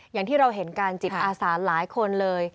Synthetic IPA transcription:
jaː˨˩ŋt̪ʰiː˥˩ɾa˧wɦe˩˦nkaː˧nt͡ɕi˨˩t̪̚ʔaː˧saː˩˦nlaː˩˦jkʰo˧nlɤː˧j

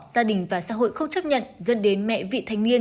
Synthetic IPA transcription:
zaː˧ɗï˨˩ŋ̟vaː˨˩sa̰ː˧˥ɦo̰˧˨jxə˧wŋ͡mt͡ɕa˦˥p̚ɲə̰˧˨nzə̰˧˥nɗe˨˦nmɛ̰˧˨vḭ˧˨t̪ʰa˨˦jŋ̟ni˧ən

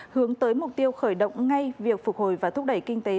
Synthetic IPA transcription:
hɨ˨˦əŋt̪əː˨˦jmʊ˨˩k͡p̚t̪i˧əwxəː˧˩jɗə̰˧˨wŋ͡mŋa˧jjvi˨˩ək̚fʊ˨˩k͡p̚ho̰˧˩˨jvaː˨˩t̪ʰk͡p̚ɗə˧˩jkï˧ŋ̟t̪e˨˦

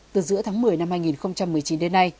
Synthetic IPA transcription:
t̪ɨ˨˩zɨ̰˧˥ət̪ʰaː˨˦ŋmɨ˨˩əjna˧mhaː˧jŋi˨˩nxə˧wŋ͡mt͡ɕa˧mːɨ˨˩əjt͡ɕi˨˦nɗe˨˧˦nːa˧j

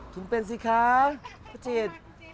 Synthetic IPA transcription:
t̪ʰu˨npe˧˨ns̬i˧kʰaː˧˦kʰa˦˥t͡ɕe˧t̪̚

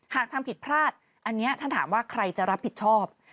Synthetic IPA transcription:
haː˨˩k̚t̪ʰa˧mpʰi˨˩t̪̚pʰɾaː˥˩t̪̚ | ʔa˧nːi˦˥ɐt̪ʰa˥˩nt̪aː˩˦mwaː˥˩kʰɾa˧jt͡ɕa˨˩ɾa˦˥pʰːi˨˩t̪̚t͡ɕʰɔː˥˩p̚

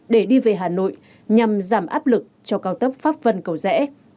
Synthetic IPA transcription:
ɗe˧˩ɗi˧ve˨˩ɦaː˨˩no̰˧˨j | ɲa˨˩mzaː˧˩mʔaː˦˥p̚lɨ˨˩k̚t͡ɕɔ˧kaː˧wt̪ə˦˥p̚faː˦˥p̚və˧nkə˨˧˩wzɛ̰˧˥

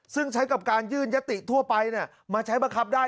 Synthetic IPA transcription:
sɯ˥˩ŋt͡ɕʰa˦˥jka˨˩p̚kaː˧njɯː˥˩nja˦˥t̪ːi˨˩ʔt̪ʰu˥˩ɐpa˧jni˥˩ɐ | maː˧t͡ɕʰa˦˥jba˧ŋkʰa˦˥p̚daː˥˩

